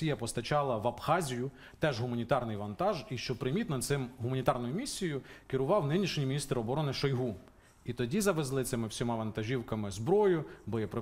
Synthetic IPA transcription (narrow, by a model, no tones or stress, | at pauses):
ijɐpɔst̪ɐt͡ʃɑlˠɐʋɐpxɑzʲijʊ | t̪ɛʒɦʊmɐnʲit̪ɑrnɪjʋɐnt̪ɑʒiʃt͡ʃɔpɾɪmʲit̪nɔt̪sɪmɦʊmɐnʲit̪ɑrnɔjʊmʲisʲːijʊkɪɾʊʋɑwnɪnʲiʃɲʲimʲinʲist̪ɾɔbɔɾɔnɪʃɔjɦu | it̪ɔdʲizɐʋezlˠɪt̪sɪmɪwsʲɔmɑʋɐnt̪ɐʒʲiwkɐmɪzbɾɔjʊbɔjipɾ